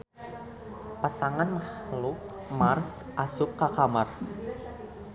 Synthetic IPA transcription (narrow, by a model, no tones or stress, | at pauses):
pasaŋanhlʊk̚ | marsʔasʊkːakamar